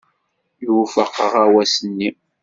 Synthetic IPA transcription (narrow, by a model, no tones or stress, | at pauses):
jufəqːəʁæwæsənːi